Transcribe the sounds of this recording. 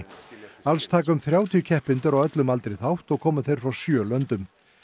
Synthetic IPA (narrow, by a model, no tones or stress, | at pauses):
alst̪ʰaːkʏmθɾjaːwt̪ʰijʏcʰɛhpɪnt̪ʏɾɔwœt̪lʏmalt̪ɾejθawht̪ɔɣkʰɔːmʏθejɾ̥fɾawsjœːlœnt̪ʏm